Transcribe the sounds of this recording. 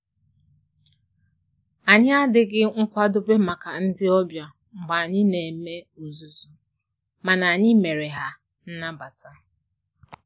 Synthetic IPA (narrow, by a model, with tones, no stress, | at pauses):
a˨ɲɪ˦a˦dɪ˦ɡɪ˦ŋ̩˦kʷa˦dʊ˦be˦ma˨ka˨n̩˦dɪ˦ɔ˦bja˨ | ŋ͡m̩˨ɡ͡ba˨a˨ɲɪ˦ne˨me˦u˨zu˨zu˨ | ma˨na˨ɲɪ˦me˨ɾe˨ɦa˦ | n̩˦na˦ba˨tʰa˦